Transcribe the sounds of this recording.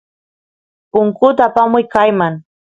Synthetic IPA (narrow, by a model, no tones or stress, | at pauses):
pʊŋkʊt̪aːpamʊjkajmaŋ